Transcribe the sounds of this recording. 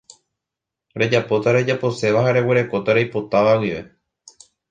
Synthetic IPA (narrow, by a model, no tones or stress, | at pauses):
ɾe̞d͡ʒapo̞t̪aɾe̞d͡ʒapo̞se̞ʋaɦaɾe̞we̞ɾe̞ko̞t̪aɾejpo̞t̪aʋawiʋe̞